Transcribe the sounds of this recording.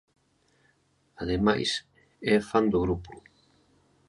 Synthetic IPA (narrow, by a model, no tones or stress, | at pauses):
aðema̰js | ɛfand̪ʊɣɾupu